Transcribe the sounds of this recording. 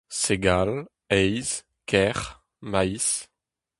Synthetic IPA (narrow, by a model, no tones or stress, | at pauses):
seɡal | ɛjz | kʰɛʁ | majs